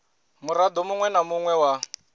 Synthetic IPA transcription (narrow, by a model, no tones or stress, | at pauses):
muɾad̪ɔmuŋwɛnamuŋwɛwa